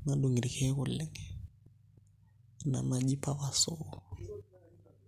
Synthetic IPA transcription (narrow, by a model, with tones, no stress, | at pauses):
na˦do˨ŋi˨ɾi˨kʰɛ˦ɣʊ˦l̩lɪ˦ŋɛ | na̰˨na˦di˦pʰʼa˦ba˨soː